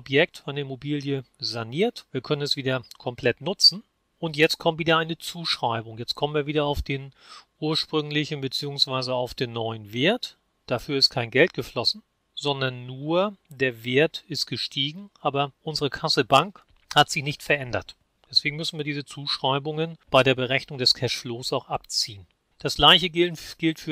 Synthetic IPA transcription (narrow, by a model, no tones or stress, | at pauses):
ɔpjɛk̚tfaɪnəɪmobiːljəzaniːɐtv̥iːɐkʰœnənɛsv̥iːdɐkʰɔmpʰl̥ɛtnʊt͡sn̩ | ʔʊntjɛt͡stkʰɔmtv̥iːdɐaɪnət͡suːʃʁ̥aɪbʊŋjɛt͡stkʰɔmənviːɐviːdɐaʊfd̥eːn | ʔuːɐʃpʁ̥ʏŋlɪçn̩bət͡siːʊŋsv̥aɪzəaʊfd̥eːnːɔʏənveːɐt | d̥afyːɐɪstkʰaɪnɡɛltɡ̥əflɔsn̩ | z̥ɔndɐnːuːɐd̥eːɐveːɐtɪstɡ̥əʃtʰiːɡŋ̩ʔaːbɐʔʊnzəʁəkʰasəbaŋk | hatz̥ɪçnɪçtfɛɐʔɛndɐ̰t | d̥ɛsv̥eːɡŋ̩mʏsn̩viːɐdiːzət͡suːʃʁ̥aɪbʊŋənb̥aɪɾeːɐbəʁɛçnʊŋdɛskʰɛʃfloːsaʊxʔapt͡siːən | d̥asɡ̥laɪçəɡɪɡ̥ɪltfyːɐ